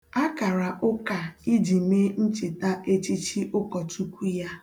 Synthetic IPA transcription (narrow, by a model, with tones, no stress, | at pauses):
a˦ka˨ɾa˨ʔʊ˦ka˨i˦di˨me˦n̩˦t͡ʃɪ˨ta˦e˦t͡ʃi˦t͡ʃi˦ʔʊ˦kɔ˨tu˦kʷu˦ja˦